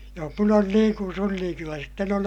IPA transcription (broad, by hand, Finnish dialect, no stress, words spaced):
joh mun on niːŋ kun sun niːŋ kylːæ sitːen on